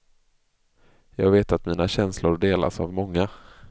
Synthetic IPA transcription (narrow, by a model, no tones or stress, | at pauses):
jɑːɡveːt̪at̪miːnaɕɛnslʊɾɖeːla̰sa̰vmɔŋːa